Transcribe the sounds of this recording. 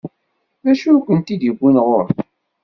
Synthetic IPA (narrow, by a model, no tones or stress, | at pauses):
ðæʃukʷːənt̪id̪jəɡʷːinʁoɾθ